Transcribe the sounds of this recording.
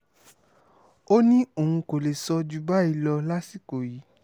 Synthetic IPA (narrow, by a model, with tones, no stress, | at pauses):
o˦nĩ˦o˨hũ˧ko˨le˨sɔ˧d͡ʒu˧ba˦i˧lɔ˧la˦si˦˨ko˨ji˨˦